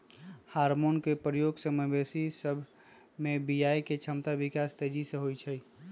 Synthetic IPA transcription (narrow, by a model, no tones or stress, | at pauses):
haɾmonkepɾəjoɡsəməbesisəbʱ | mẽbijajket͡ʃʰəmt̪aʋikast̪ed͡ʒisẽɦojt͡ʃʰəj